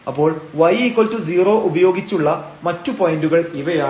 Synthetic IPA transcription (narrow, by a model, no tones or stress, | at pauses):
ɐpːo̞ːɭʋɐjikːɐɭtːud͡ʑiːro̞ːʔubɐjo̞ːɡit͡ɕːuɭːɐ | mɐtːupojinduɣɐɭiʋɐjaː